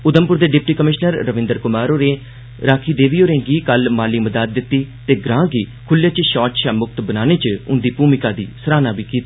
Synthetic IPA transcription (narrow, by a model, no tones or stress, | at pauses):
ʊd̪əmpʊɾd̪eːɖɪp̚ʈiːkəmɪʃnəɾːəʋɪ̃nd̪əɾkʊmaːɾoːɾẽː | ɾaːkʰiːd̪eːʋiːoːɾẽːɡiːkəlmaːliːməd̪aːd̪̚ːɪt̪ːiːt̪eːɡɾãːɡiːkʰʊljaːt͡ʃʃɔːʈʃaːmʊk̚t̪bənaːneːt͡ʃʊnd̪iːpuːmɪkaːd̪iːsəɾaːnaːbiːkiːt̪aː